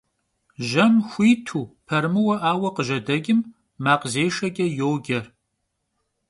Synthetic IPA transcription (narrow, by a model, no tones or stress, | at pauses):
ʒɐmxʷiːtʰuːpʰɐɾmɨwɐʔaːwɐqəʒɐdɐɡʲʼɪmː | aːqəzeːʂɐkʲʼɐjowɡʲɐr